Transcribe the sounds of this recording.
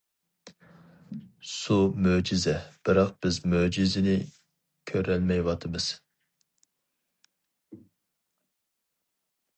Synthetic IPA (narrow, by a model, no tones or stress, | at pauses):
sumød͡ʒizɛb̥ɪɾɑqb̥ɪzmød͡ʒizɪnɪ | kʲʰøɾɛlmɛjwɑt̪ʰɨmɨz̥